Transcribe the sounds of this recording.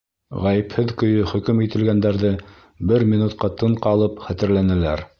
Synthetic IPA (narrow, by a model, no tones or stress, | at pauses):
ʁæjɘ̆phɘðkɵ̆jɵχɵ̆kɵmit̪ɘ̆lɡænd̪æɾðɘ | bɘɾmʲinut̪̚qɑt̪ɤɴqɑlˠɤpχæt̪ɘ̆ɾlænælæɾ